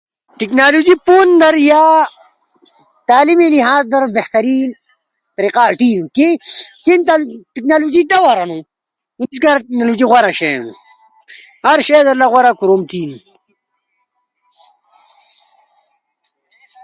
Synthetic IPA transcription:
ʈiknaːlud͡ʒipoːnd̪ɐɾjaː | t̪aːlimiliɦaːzd̪ɐɾbeht̪ɐɾiː | t̪ɐɾiːqaːʈiːnkikint̪aʈiknaːlud͡ʒid̪awɐɾɐnu | uniskaɾaʈiknalud͡ʒiɣwaɾaɕḛnṵ | haɾɕeːd̪ɐɾlaɣwaɾakuɾomt̪iːn

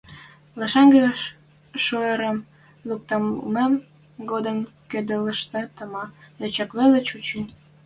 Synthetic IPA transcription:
lɑʃɑŋɡøʃ | ʃoeɾəm | luk̚t̪ɑmmem | ɡod̪ənked̪ələʃt̪ĕt̪əmɑet͡ɕɑkβelet͡ɕut͡ɕi

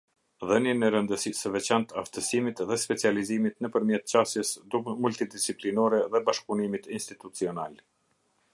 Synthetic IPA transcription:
ðənjɛnɛɾənd̪əsisəvɛt͡ɕant̪aft̪əsimit̪ðɛspɛt͡sializimit̪nəpəɾmjɛt̪̚t͡ɕasjɛsd̪umult̪id̪isiplinɔɾɛðɛbaʃpunimit̪inst̪it̪ut͡siɔnal

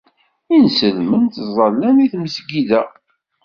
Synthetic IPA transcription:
insəlmənt̪zˤɑlːæniθməsɡiðæ

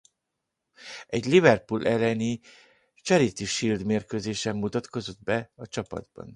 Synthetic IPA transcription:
ɛɟlivɛrpulʔɛlːɛni | t͡ʃɛɾit̪iʃild̪meːrkøzeːʃɛmːut̪ɒt̪ko̞zo̞d̪bɛɒt͡ʃɒpɒ̰d̪bɒ̰n

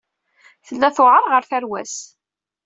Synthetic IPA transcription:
θəlːæθoʕəɾˤʁəɾθæɾwæ̰s

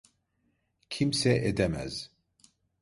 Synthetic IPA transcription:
kʰimsɛʔed̪ɛmɛ̰z

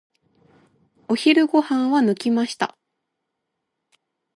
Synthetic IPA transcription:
o̞çiɾɯ̟ɡo̞hãɰ̃βanɯkʲimaɕi̥t̪a̰

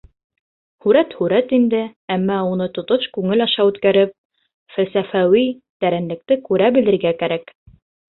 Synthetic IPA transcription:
hʉɾæt̪hʉɾæt̪ind̪ɘæmːæunɤt̪ŏt̪oʃkʉŋɘlɑʃɑʉt̪kæɾɘp̚ | fælsæfæwi | t̪æɾænlɘ̆k̚t̪ɘkʉɾæbɘ̆lɘ̆ɾɡækæɾæk

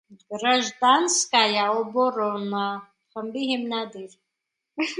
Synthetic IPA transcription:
ɡɾaʒd̪anskʼajaɔbɔɾɔna | χəmbiɦimnad̪iɾ

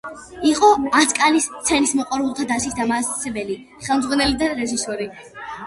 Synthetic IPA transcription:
iqʼɔaskʼalist̪sʰɛnismɔqʼwaɾulˠt̪ʰad̪aʃisd̪amaːssɛbɛli | χɛlˠmd̪zʁwanɛlid̪aɾɛʒisɔɾi

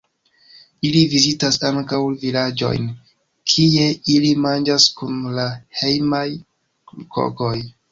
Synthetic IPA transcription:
ilivizitasaŋkawvilad͡ʒo̞̰jn | kʰie̞ilimand͡ʒaskunlahe̞jmaj | ko̰ko̞j

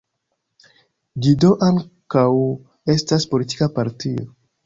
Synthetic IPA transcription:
d͡ʒidoʔaŋkaw | e̞staspo̞liti̥kapaɾtio̰

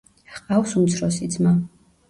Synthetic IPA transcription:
qʼawsumt̪sʰɾɔsid̪zma

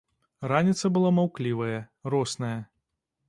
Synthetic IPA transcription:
ɾanʲit̪sɐbɨlˠamawklʲivɐjɐrɔsnɐjɐ

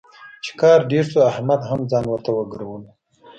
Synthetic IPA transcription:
t͡ʃe̥kɑːɾɖeɾsoahmad̪ɦamd͡zɑːnwəɾt̪awəɡɾawəl

